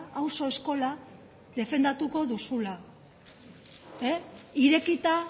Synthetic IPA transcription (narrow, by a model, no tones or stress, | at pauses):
awso̞e̞sko̞la | ðe̞fe̞nd̪at̪uko̞ðusula | eiɾe̞kit̪a